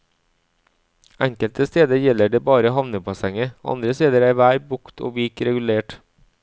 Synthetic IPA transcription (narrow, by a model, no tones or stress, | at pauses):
ʔɛŋkəlt̪əst̪eːd̪əɾjɛləɖeːbɑːɾəoːhɑʋnəpʰɑsɛŋəʔɑ̰nd̪ɾəst̪eːd̪əɾæːɾʋæːɾbʊkt̪ʰo̰ːʋɪkɾɛɡʉleːʈ